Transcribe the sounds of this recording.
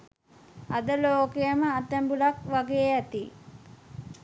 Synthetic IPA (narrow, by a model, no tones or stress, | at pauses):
ad̪əloːkejəməat̪æmbulakʋaɡeːæt̪i